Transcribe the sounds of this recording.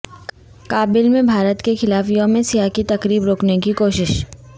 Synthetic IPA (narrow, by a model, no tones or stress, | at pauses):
kaːbɪlmẽbʱaːɾət̪kexɪlaːfjõːmẽsijaːkit̪ɐkɾiːbɾoːknekikoːʃɪʃ